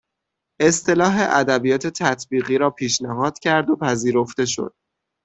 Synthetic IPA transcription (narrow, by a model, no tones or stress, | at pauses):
ʔe̞st̪e̞lɒːɦeʔæd̪æbijɒːt̪ʰe̞t̪ʰæt̪ʰbiːɣiːɾɒːpʰiːʃnæɦɒːd̪̥cʰæɾd̪opʰæziːɾo̞ft̪e̞ʃo̞̰d̪̥̚